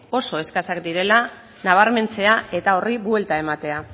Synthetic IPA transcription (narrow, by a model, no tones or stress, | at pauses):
o̞so̞e̞skasakd̪iɾe̞la | naβ̞aɾme̞nt͡se̞ae̞t̪ao̞riβuelt̪ae̞mat̪e̞a